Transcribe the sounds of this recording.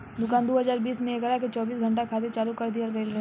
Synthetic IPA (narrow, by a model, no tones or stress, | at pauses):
d̪ʊkaːnd̪oɦɐzaːɾbiːsmẽeɡəɾaket͡ʃɔːbiːsɡʱɐ̃ɳʈ̬akʰaːd̪et͡ʃaːlukɐɾd̪ijalɾeːlɾ